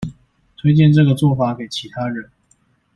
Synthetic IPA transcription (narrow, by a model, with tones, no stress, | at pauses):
t̪ʰwe˥ɪt͡ɕjɛ˥˧nʈ͡ʂɤ˥˩ɡə˩t͡swɔ˥˩fa˧˥ke˨˩ɪt͡ɕʰi˧˥t̪ʰa˥ɻə˨˦n